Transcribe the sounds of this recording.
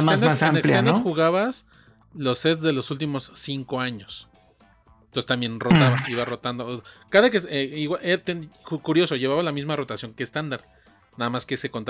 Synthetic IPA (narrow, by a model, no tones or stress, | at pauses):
sand̪ɾasaamneplland̪axuɣaβas | lo̞set̪sðe̞lo̞sult̪̬imo̞sːiŋko̞aɲo̞s | ent̪oset̪ambje̞nrot̪aβaiβaro̞t̪and̪okaðak̬eseiɣwaʔet̪enxukuɾjo̞so̞ʝeβaβalamizmaro̞t̪asjo̞ŋkeːst̪and̪aɾð | naðamaske̞se̞kont̪a